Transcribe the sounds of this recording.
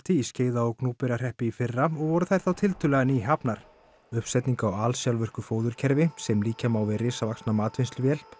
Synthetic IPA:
t̪ʰiːsceːjðaɔɣknuːpɪɾar̥ɛhpɪifɪrːaɔɣvɔɾʏθajɾ̥θawt̪ʰɪlt̪ʏlɛɣaniːɦapnaɾ̥ | ʏhpsɛjt̪niŋkawaːlsjawlvʏr̥kʏfoːwðʏɾcʰɛɾvɪsɛmliːcamaːwvɪrɪːsavaksnamaːt̪vɪnst̪ʏvjɛl̥p

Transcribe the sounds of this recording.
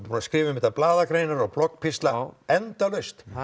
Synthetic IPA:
punaskɾɪːvʏmɪht̪aplaːðakɾeːjnaɾɔɣblɔkpʰɪst̪laɛnt̪alœst̪

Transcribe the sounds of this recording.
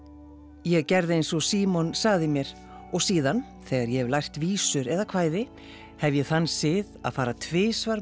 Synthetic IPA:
jɛɣcɛɾðɪejnsɔɣsiːmɔnsaɣðɪmjɛɾ̥ | ɔɣsiːðan | θɛːɣaɾjɛhɛvlajr̥t̪viːsʏɾɛðakʰvaːjðɪ | hɛvjɛθanːsɪða̰ðfaːɾat̪ʰvɪːsvaɾ

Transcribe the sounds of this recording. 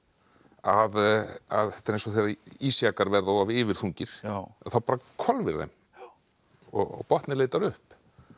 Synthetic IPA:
aða̰ðθɛt̪ɪɾejnsɔθejɾaiːsjakaɾvɛɾðɔwavɪːvɪɾ̥θuɲcɪɾ̥ɛθawpaːɾakʰɔlvɪɾðɛ̰m | ɔ̰ɣɔ̰pɔht̪nɪleːjt̪aɾʏhp

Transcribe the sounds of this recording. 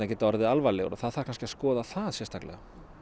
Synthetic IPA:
ɛhcɪt̪ɔɾðɪalvalɛɣɾaθaðθaɾkʰanscɪaskɔːðaθaðsjɛrst̪ʰaklɛ̰ɣa̰

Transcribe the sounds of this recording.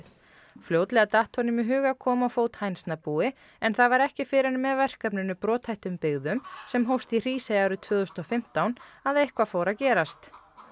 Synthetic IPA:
fljowt̪lɛɣat̪aːht̪ʰɔnɪmɪɦʏːɣakʰɔːmaawfoːwt̪hajnsnapuːɪ | ɛnθavaɾɛhcɪfɪɾɪnmɛðvɛr̥kapnʏnːʏpɾɔːt̪hajht̪ʏmpɪɣðʏmsɛmɦowst̪ir̥iːsajawɾʏt̪ʰvœːðʏst̪ɔfɪm̥t̪awnaðehkvafoːwɾacɛːɾast̪

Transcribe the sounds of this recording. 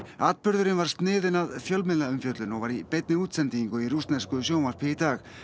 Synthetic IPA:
at̪̚pʏɾðʏɾɪnvaɾ̥st̪nɪːðɪnaðfjœlmɪðlaʏmfjœt̪lʏnɔɣvaɾipɛjt̪̚nɪuːt̪sɛnt̪iŋkʏirust̪nɛskʏsjoːwmaɾ̥pʰɪit̪aːɣ

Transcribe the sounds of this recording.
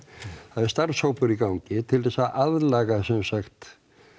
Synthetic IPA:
θaðɛɾst̪aɾshowpʏɾikawɲcɪt̪ʰɪlðɛsaʔaðlaːɣasɛmsaxt̪

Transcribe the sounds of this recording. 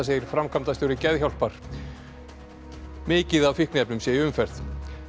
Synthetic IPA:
as̬eːjɪɾ̥fɾamkʰam̥t̪ast̪owɾɪcɛðçawl̥paɾ̥ | mɪːcɪðavfihknɛpnʏmsjɛjɪʏmfɛr̥t̪

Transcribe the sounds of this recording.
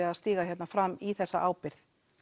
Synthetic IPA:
ɪaðst̪iːɣaçjɛt̪nafɾamːiθɛsːaʔaːwpɪɾθ

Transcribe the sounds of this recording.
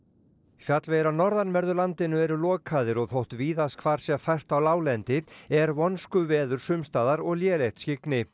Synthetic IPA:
fjat̪lvejɾanɔɾðanvɛɾðʏɾlant̪ɪnʏɛɾʏlɔːkʰaðɪɾɔɣθowht̪viːðaskʰvaːɾ̥sjɛfajr̥t̪awlaːwlɛnt̪ɪɛɾvɔnskʏvɛːðʏɾ̥sʏmst̪aːðaɾɔɣljɛːlejht̪scɪknɪ

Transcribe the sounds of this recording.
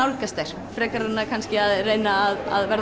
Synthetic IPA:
awlhkast̪ɛɾ̥ | fɾɛːkaɾʏnːakʰanscɪaðrejnaːða̰ðvɛɾ

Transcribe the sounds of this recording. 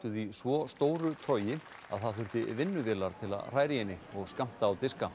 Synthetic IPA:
t̪ʏðisvɔst̪oːwɾʏt̪ʰœːɥjɪ | a̰ðθaðθʏɾ̥t̪ɪvɪnːʏvɪːlaɾ̥t̪ʰɪla̰ðr̥aːjɾɪjɛnːɪɔɣskam̥t̪aːwt̪ɪska

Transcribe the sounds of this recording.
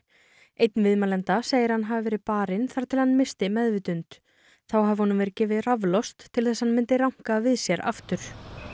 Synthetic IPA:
ejt̪nvɪðmalɛnt̪aseːjɪɾ̥hanɦavɪvɛːɾɪpaːɾɪnθaɾt̪ʰɪlhanːmɪst̪ɪmɛðvɪt̪ʏnt̪ | θawhavɪhɔnʏmvɛɾɪcɛːvɪðravlɔst̪ʰːɪlθɛsːhanmɪnt̪ɪɾawŋ̥kavɪðsjɛɾa̰ft̪ʏɾ̥

